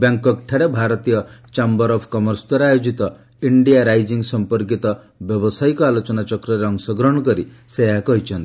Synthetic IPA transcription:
bjaŋkɔk̚ʈʰaɾebʱaɾɔt̪ijɔt͡ʃambɔɾɔpʰkɔmɔɾst̪ɔɾajod͡ʒit̪ɔ | iɳɖijaɾajd͡ʒiŋsɔmpɔɾk̬it̪ɔ | bjɔbɔsajkɔalɔt͡ʃɔnat͡ʃɔkɾɔɾeɔŋsɔɡɾɔɽ̃ɔkɔɾiseɦakɔɦit͡ʃʰɔnt̪ii̥

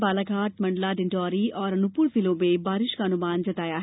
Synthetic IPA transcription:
baːlakaːʈmɐ̃ɳɖlaɖɪ̃ɳʈɔːɾiɔːɾɐnʊpʊɭfɪlõbẽbaːɾɪʃkaɐnʊmaːnd͡ʒɐt̪aːjaɦ

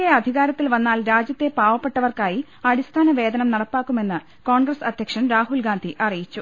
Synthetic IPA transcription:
eɐd̪ʱiɣaːɾɐt̪ːilʋɐnːaːlɾaːd͡ʑjɐt̪ːe̞paːʋɐpːe̞ʈːɐʋɐrkaːji | ɐɽist̪ʰaːnɐʋe̞ːd̪ɐnɐmnɐɽɐpːaːkːume̞nːɨ | ko̞ːɳɡrɐsɐd̪ʱjɐkʂɐmɾaːɦulɡaːnd̪ʱiʔɐrijit͡ɕːu

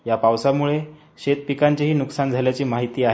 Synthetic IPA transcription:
japawsamuɭe | ɕet̪̚pikaɲt͡ɕeɦiːnuksand͡zʱaljat͡ɕiːmaɦit̪iːaɦe

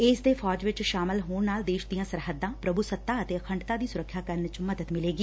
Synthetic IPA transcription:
ɪsd̪eːpʰɔːd͡ʒʋɪt͡ʃʃaːmɪlɦoːɳnaːld̪eːʃd̪ijãːsəɾɦəd̪ːãːpɾəbʱusət̪ːaːət̪eːəkʰə̃ɳɖt̪aːd̪iːsʊɾəkʰːjaːkəɾnt͡ʃməd̪əd̪mɪleːɡiː

